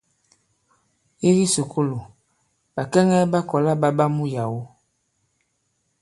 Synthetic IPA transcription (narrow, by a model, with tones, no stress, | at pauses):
i˦ɣi˦so˨kʰo˦lo˨ | ba˨kɛ˦ŋɛ˦ba˦kɔ˨la˦ba˦ba˦mu˦ja˨wo˦